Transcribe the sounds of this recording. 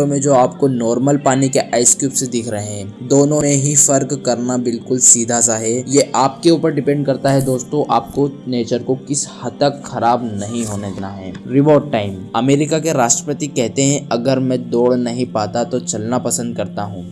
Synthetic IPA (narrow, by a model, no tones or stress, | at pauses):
õmẽd͡ʒoːaːpkonɔːɾməlpaːnikeʔaːɪskjuːpsed̪ɪkʰɾɐɦeɦɛ̃ːd̪oːnõẽɦĩfɐɾkkɐɾnabɪlkʊlsiːd̪ʱas̬aɦɛːjeʔaːp̚keuːpəɾɖɪpɛ̃ɳɖkɐɾt̪aɦɛd̪oːst̪õʔaːp̚koneːt͡ʃəɾkokɪshɐt̪ːəkxʰɐɾaːbnɐɦĩɦoːned̪naɦɛːɾɪʋɔːɾɖ̚ʈaːɪmɐmeːɾɪkakeɾaːʃʈɾəpət̪ikɛɦt̪eɦɛ̃ɐɡəɾmɛ̃d̪oːɽnɐɦĩpaːt̪at̪ot͡ʃɐlnapɐsə̃nd̪̚kɐɾt̪aɦũː